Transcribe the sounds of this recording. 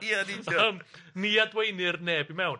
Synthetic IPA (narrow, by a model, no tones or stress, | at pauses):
adiəmniːadwejnɪrneːbimɛwn